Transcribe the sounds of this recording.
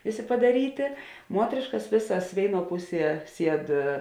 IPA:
ˈʋʲeːˌsʲeː pɐdɐˈrʲiːtʲeː ˈmuɔtʲrʲeːʃkɐs ˈʋʲeːsɐs ˈʋʲeːɪˌnuɔ ˈpʊˌsʲiɛ ˈsʲiɛt

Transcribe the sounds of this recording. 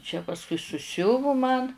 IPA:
t͡ʃʲɛ pɐsˈkʊɪ sʊˈsʲʊʋʊ mɐn

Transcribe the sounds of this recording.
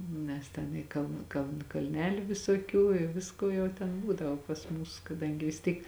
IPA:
ˈnʲɛs tʲɛn iː ˈkɐlˠn kɐlˠn kɐlʲˈnʲæːlʲʊ ʋʲɪsoːˈkʲuː ɪ ˈʋʲɪskoː ˈjɛʊ tʲɛn ˈbuːdɐʋoː pɐs ˈmuːs kɐˈdɐŋʲɡʲɪ ʋʲɪs ˈtʲiːk

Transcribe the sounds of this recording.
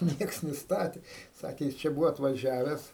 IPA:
ˈnʲiɛks nʲɪˈstɑːtʲeː ˈsɑːkʲeː ˈjɪs t͡ʃʲɛ ˈbuːʋoː ɐtʋɐˈʒʲæːʋʲɛs

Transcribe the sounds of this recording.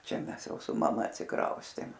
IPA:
ˈt͡ʃʲɛ ˈmʲɛs ˈjɛʊ sʊ mɐˈmɐ ɐtʲsʲɪˈkrɐʊsʲtʲeːm

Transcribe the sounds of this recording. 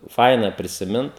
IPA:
ˈfɐɪnɐ pʲrʲɪsʲɪˈmʲɪnt

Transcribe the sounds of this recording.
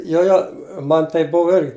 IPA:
ˈjoː joː ˈmɐn tɐɪp ˈbʊʋʊ ˈɪrʲɡʲɪ

